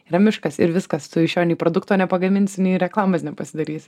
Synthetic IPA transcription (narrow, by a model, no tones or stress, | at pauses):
ɾɐmʲɪʃkɐsɪ̰ɾʋʲɪskɐst̪ʊɪʃʲoːnʲɛɪpɾoːd̪ʊkt̪oːnʲɛpɐɡɐmʲɪnʲsʲnʲɛɪɾʲɛklˠɑːmɐsnʲɛpɐsʲɪd̪ɐɾʲiːs